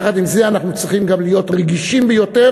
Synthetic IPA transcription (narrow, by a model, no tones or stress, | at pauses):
χad̪imzeanaχnut͡sʁiχimɡamlijo̞t̪ʁeɡiʃimbejo̞te